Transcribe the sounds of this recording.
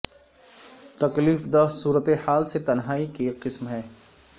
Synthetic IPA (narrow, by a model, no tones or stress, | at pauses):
t̪ɐkliːfd̪asuːɾət̪ehaːlset̪ɐnɦaːikeqɪsmɦɛː